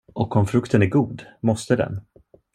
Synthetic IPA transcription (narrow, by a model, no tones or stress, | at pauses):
ʔɔkɔmfɾɵkt̪ənæɾɡuːd̪mɔst̪əd̪ɛ̰n